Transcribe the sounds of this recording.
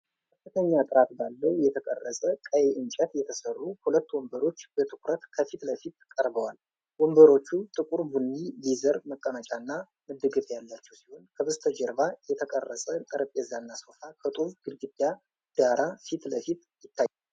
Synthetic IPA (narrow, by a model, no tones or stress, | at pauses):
kʰəfːɨt̪ʰəɲːat̪ʼɨɾat̪balːəwjɛt̪ʰəkʼərːəsʼəkʼəjeʔɨnt͡ʃʼət̪jɛt̪ʰəsərːuhulət̪ːwɔmbəɾo̞t͡ʃːb̥ət̪ʰɨkʰʷɾət̪kʰəfit̪ləfit̪kʼəɾbəwal | wɔmbəɾo̞t͡ʃːut̪ʼɨkʼuɾbunːilizəɾməkʼːəmət͡ʃʼanːa | mɨd̪ɨɡɨfjalːat͡ʃːɛwsiho̞nkʰəbəst̪ʰəd͡ʒəɾβajɛt̪ʰəkʼərːəsʼət̪ʼɨɾəpʼjɛzanːaso̞fakʰət̪ʼufɡɨlɡɨd̪ːa | d̪̥aɾʔafit̪ləfit̪ | jɪt̪ːajː